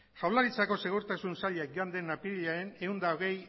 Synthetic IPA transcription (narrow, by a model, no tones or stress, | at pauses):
xawlaɾit͡sako̞se̞ɣoɾt̪asunsaʎeakʝoand̪e̞napiʎaene̞und̪aoɣ̞e̞j